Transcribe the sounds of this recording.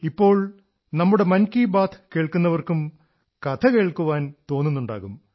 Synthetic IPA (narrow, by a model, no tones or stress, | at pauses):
ipːo̞ːɭ | nɐmːuɽe̞mɐnkːiːbaːt̪ʰke̞ːɭkunːɐʋɐrkum | kɐt̪ʰɐkeːɭkuʋaːnt̪o̞ːnːunːuɳɖa̰ːɣum